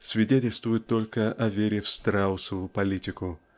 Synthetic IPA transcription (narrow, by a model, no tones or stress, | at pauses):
svʲɪdʲetʲɪlʲst̪vʊjɪt̪ːo̞lʲkəʔɐvʲeɾʲɪfst̪ɾaʊsəvʊjʊpɐlʲitʲɪkʊ